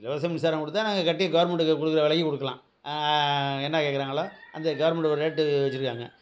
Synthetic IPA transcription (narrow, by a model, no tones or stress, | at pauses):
ɪlɐʋɐɾɐsɐmnɪsaːɾɐ̃mkɔɽɯt̪ːanaːŋɡɐkɐʈːɪjɐɡɐʋɐɾmɛɳʈɯkɔɽɯkːɪɾɐʋɛɭɐjɯkɔɽɯkːɐlã̰ː | ɛnːakeːkːɪɾaːŋɡɐɭaːʔɐnd̪ɐɡɐʋɐɾmɛɳʈɐɾɾeːʈːɯʋɛt͡ʃːɯɾɯkːaːŋɡɐ̰